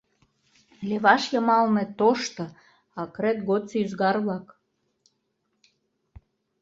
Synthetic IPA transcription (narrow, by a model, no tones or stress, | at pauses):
leβɑʃjəmɑlnĕt̪oʃt̪ɤ̆ | ɑkɾet̪ɡot̪t͡seyzɣɑrβlɑk